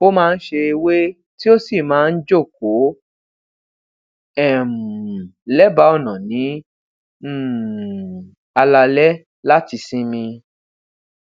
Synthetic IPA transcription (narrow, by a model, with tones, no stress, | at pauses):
o˦mãː˦˧n̩˦ʃe˧i˧we˦ | ti˦o˦si˦˨mãː˨˦˧n̩˦d͡ʒo˦˨k̚o˨˦ | ɛ˦˨m̩˨lɛ˦ba˧˦ɔ˦˨nã˨nĩ˨˦˨ | a˧la˧lɛ˦ | la˦ti˧sĩ˦mĩ˧